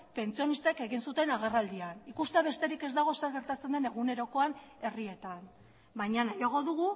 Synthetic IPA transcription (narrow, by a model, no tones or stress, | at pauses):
pe̞nt͡sio̞nist̪eke̞ɣinsut̪e̞naɣ̞e̞rald̪ianikust̪eaβe̞st̪e̞ɾike̞zd̪aɣ̞o̞seɾɣe̞ɾt̪at͡se̞nd̪e̞ne̞ɣune̞ɾo̞ko̞ane̞rie̞t̪an | bajɲanajaɣ̞o̞ðuɣu